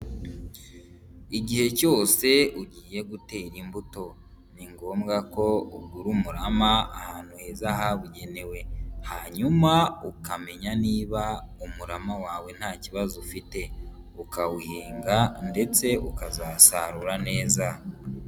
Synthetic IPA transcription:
iɟihe̞co̞ːse̞uɟiːje̞ɡute̞ɾimbuto̞ | niŋɡo̞ːmɡako̞uɡuɾumuɾamaa̰haːn̥huhe̞ːzaɦaβuɟe̞ne̞we̞haɲumaukame̞ɲaniːβaumuɾamawaːwe̞n̥haːciβazufite̞ | ukawuhiːŋɡande̞t͡se̞ukazaːsaɾuɾane̞ːza

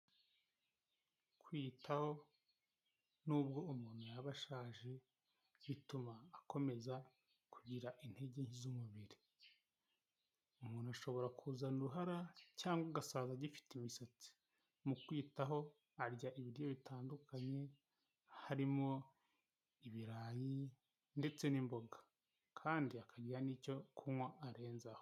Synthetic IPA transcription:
kwiːtʰaho̞ | nuːbɡo̞umuːn̤̥ujaβaʃaːʒe̞ | βitumaːko̞me̞za | kʰuɟiɾaʔin̥he̞ɟe̞ɲhizumuβiɾi | umuːnuaʃo̞βo̞ɾakʰuːzanuɾuɦaɾacaːŋɡwaɡasaːzaɟifi̥timisat͡si̥ | mukwiːtaɦo̞ | aɾɟaʔiβiɾjo̞βitʰaːndukʰaɲe̞ | haɾimo̞ | iβiɾaːji | nde̞t͡se̞nimbo̞ɡḁ | kʰaːndiakaɟiɾaniːco̞kʰumwaʔːɾe̞ːnzaho

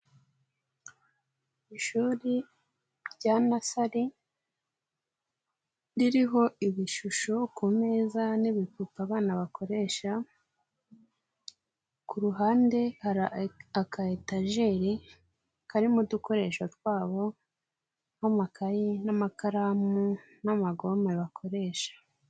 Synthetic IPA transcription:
iʃuɾi | ɾɟanasaɾi | ɾiɾiɦo̞iβiʃuʃo̞kume̞zaniβikupaβaːnaβakʰo̞ɾe̞ʃa | kuɾuɦaːnde̞haɾaakaetaʒe̞ɾi | kaɾimuduko̞ɾe̞ʃoɾɡwaːβo̞ | amakajinamakaɾamu | namaɡo̞meβakʰo̞ɾe̞ʃḁ

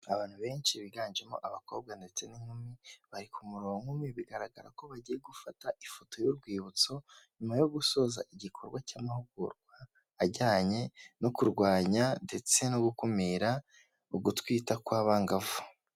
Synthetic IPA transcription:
aβaːn̥huβe̞ːnt͡ʃiβiɡaːnd͡ʒe̞mo̰ʔaβako̞ːb̚ɡande̞t͡se̞niŋ̥humiβaɾikumuɾoŋumiβiɡaɾaɡaɾa̰ko̞βaɟije̞ɡufataifoto̞juɾɡwiːβut͡so̞ɲumajo̞ɡuso̞za̰ʔiɟikʰo̞ɾɡwacaːmahuɡṵɾɡwaː | ɟaːɲe̞nokuɾɡwaːɲande̞t͡se̞noɡukumiɾa | uɡutwiːtakwaːβaːŋɡavu

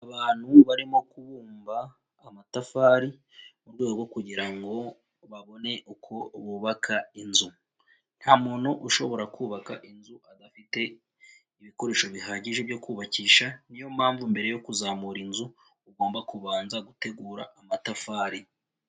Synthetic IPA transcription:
aβaːn̥huβaɾimo̞kuβuːmbaː | matafaːɾi | muɾɡwe̞ːɡoɡwo̞kuɟiɾaŋɡo̞ | βaβo̞ne̞ʔukʰo̞βuːβakʰainzu | n̥haːmuːnuʔuʃo̞βo̞ɾakuːβakaʔinzuʔadafite̞ | iβiko̞ɾe̞ːʃo̞βiɦaːɟiʒe̞bjo̞kuːβaciːʃanijo̞m̥aːɱvumbe̞ɾe̞jo̞kuzaːmuɾinzuː | ɡo̞ːmbakuβaːnzaɡute̞ɡuːɾaʔamatafaːɾi

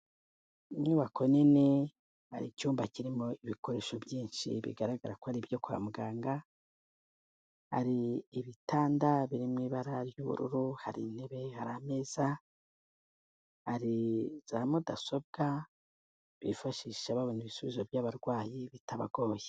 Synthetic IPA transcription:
mŋuːβakʰo̞nine | ha̰ɾicuːmbaciɾimo̞iβiko̞ɾe̞ːʃo̞bjiːnʃḭβḭɡaɾaɡaɾakohaɾibjo̞kua̰muɡaːŋɡa | ha̰ɾiːβitaːndaβiɾimŋiːβaɾaɾjuβṵɾṵɾuhaɾḭneβe̞haɾame̞ːz̥a | haɾiz̥amudasob̚ɡa | βḭfaʃiʃaβaβuːnuiβisuβizo̞bjaβaɾɡwaːjiβitaβaɡo̞ːje

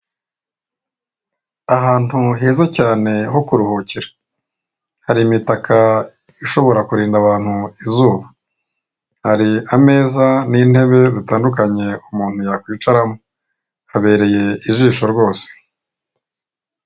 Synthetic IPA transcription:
aɦaːn̥huɦe̞ːzacaːne̞ho̞kuɾuhociɾḁ | haɾimitakʰa | iʃo̞βo̞ɾakuɾiːndaβaːn̥huizuːβa | haɾiame̞ːzaniːn̥he̞βe̞zitaːndukaɲe̞umuːn̥hujakwiːt͡ʃaɾamo | haβe̞ːɾe̞je̞iʒiːʃo̞ɾɡo̞ːse̥

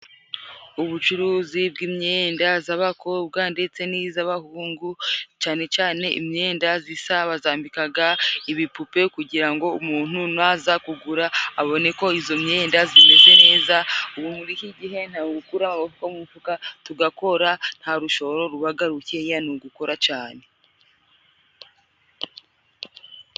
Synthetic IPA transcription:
uβut͡ʃuɾuːzibɡiːmɲendazaβakʰo̞b̚ɡaːndet͡se̞nizaβahuːŋɡut͡ʃaːne̞t͡ʃaːne̞ʔḭmɲe̞ːndazisaβazaːmbikaɡaiβipupe̞kuɟiɾaŋɡo̞umuːn̥unuazakuɡuɾaːβo̞ne̞ko̞izo̞mɲe̞ːndazime̞ze̞ne̞ːzauβumuɾihiɟiɦe̞n̥haɡukuɾamaβavukamufukatuɡako̞ɾan̥haɾuʃo̞βɾo̞ɾuβaɡaɾuce̞januɡuko̞ɾʔat͡ʃaːne̞

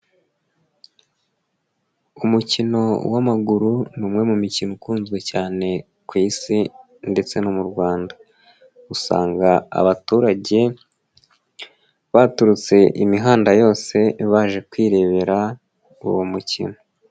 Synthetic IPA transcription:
umucino̞wamaɡuɾunumŋe̞mumicinokuːnzɡwe̞caːne̞ | kwiːsi | nde̞t͡se̞nomuɾɡwaːndḁ | usa̰ːŋɡaa̰βatuːɾaɟe̞ | βatuɾut͡se̞ʔimiɦaːndajo̞ːse̞βaːʒe̞kwiːɾe̞βe̞ɾa | ṵwomucḭno̞

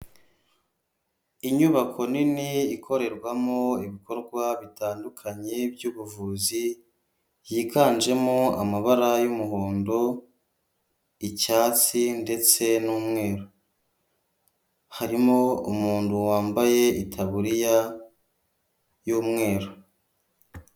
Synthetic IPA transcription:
iɲuβakʰo̞niniːkʰo̞ɾe̞ɾɡwamoiβiko̞ɾɡwaβitaːndukʰaɲe̞bjuːβuvuːzi | jikaːnd͡ʒe̞moa̰maβaɾajumuɦoːndo̞ | icaːt͡sinde̞t͡se̞nuːmŋe̞ːɾo | haɾimoumuːnduwaːmbaje̞itʰaβuɾija | juːmŋe̞ːɾo

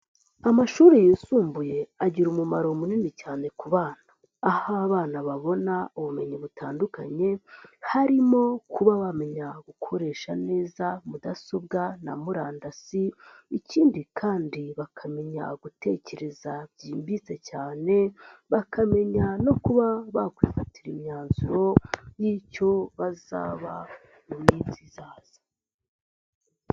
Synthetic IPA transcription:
amaʃuːɾejiːsuːmbuje̞aɟiɾumumaɾo̞muninicaːne̞kuβaːnḁː | haaβaːnaβaβo̞nauβume̞ɲiβutʰaːnduka̰ɲe̞haɾimo̞kʰuβaβame̞ɲaɡ̥ukʰo̞ɾe̞ːʃane̞ːzamudaso̞b̚ɡana̰muɾaːndasi | iciːndikʰaːndiβakʰame̞ɲa̰ɡute̞̰ce̞ɾe̞zabɟiːmbit͡se̞caːne̞βakame̞ɲano̞kuβaβakwiːfatiɾimɲaːnzuɾo̞jiːco̞βaza̰ːβa | mumniːbzizaːz̥ḁ

